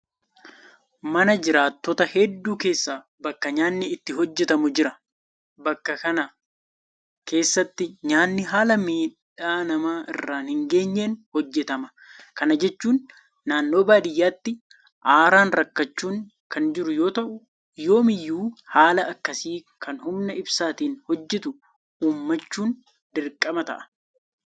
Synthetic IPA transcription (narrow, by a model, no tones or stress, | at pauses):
mɐnɐd͡ʒɪɾaːt̪ːɔt̪ɐhɛd̪ːuːke̞ːsːaː | bɐkːɐɲaːnːɪɪt̪ːɪɦɔd͡ʒːɛt̪ɐmʊd͡ʒɪɾɐ | bɐkːɐkɐnɐ | ke̞ːsːɐt̪ːɪɲaːnːɪɦaːlɐmiːᶑ | aːnɐmaːʔɪrːaːnhɪŋɡe̞ːɲːeːnhɔd͡ʒːɛt̪ɐmɐ | kɐnɐd͡ʒɛt͡ʃːuːnː | aːnːo̞ːbaːd̪ɪjːaːt̪ːɪ | ʔaːɾaːnɾɐkːɐt͡ʃːuːŋ | kɐnd͡ʒɪɾʊjo̞ːt̪ɐʔʊ | jo̞ːmɪjːuːhaːlɐɐkːɐsiː | kʰɐnhʊmnɐɪbsaːt̪iːnhɔd͡ʒːɛt̪ʊ | ʔuːmːɐt͡ʃːuːn | d̪ɪɾkʼːɐmɐt̪ɐ̰ʔɐ̥